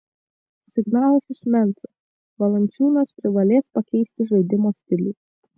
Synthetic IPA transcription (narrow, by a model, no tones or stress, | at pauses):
sʲɪɡnɑːlˠɐsɪʃmʲɛnt̪ɾʊ | ʋɐlˠɐnʲt͡ʃʲuːnɐspʲɾʲɪʋɐlʲeːspɐkʲɛɪsʲt̪ʲɪʒɐɪd̪ʲɪmoːsʲt̪ʲɪlʲiː